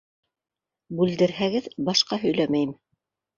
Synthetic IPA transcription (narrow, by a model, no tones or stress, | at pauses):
bʉld̪ɘ̆ɾɦæɡɘðbɑʃqɑɦɵ̆jlæmæjɘm